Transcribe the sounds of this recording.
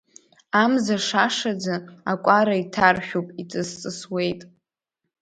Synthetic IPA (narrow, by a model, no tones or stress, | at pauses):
amzaʂaʂad͡zaakʷʼaɾaitʰarħᶣopʼit͡sʼɨst͡sʼɨswe̞jtʼ